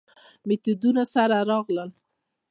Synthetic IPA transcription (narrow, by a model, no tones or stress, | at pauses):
mɪt̪ud̪unasaɾaɾɑɣləl